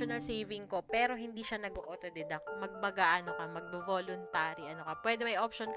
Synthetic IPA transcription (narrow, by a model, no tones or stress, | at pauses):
onɐlsejvɪŋko̞pɛːɾo̞ɦɪnd̪iʃanɐɡoʔot̪od̪ɛd̪ɐk̚mɐɡ̚mɐɡaʔɐnokɐmɐɡ̚bovolʊnt̪aːɾiʔɐnokɐpwɛd̪ɛmɐjʔopʃonk